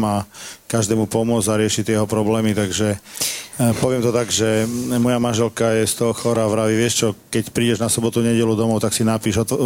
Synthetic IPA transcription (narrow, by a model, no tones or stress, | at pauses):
makaʒd̪ɛːmupɔmʊɔd͡zaɾɪɛʃit̪ːɪɛjɛɦɔpɾɔblɛːmit̪aɡʒɛ | pɔʋɪɛmt̪ɔt̪aɡʒɛmɔjamanʒɛlkajɛst̪ɔɔxɔɾaʋɾaʋiʋɪɛʃt͡ʃɔkɛcpɾiːɟɛʒnasɔbɔt̪uɲɛɟɛlud̪ɔmɔʊt̪aksinapiːʒɔt̪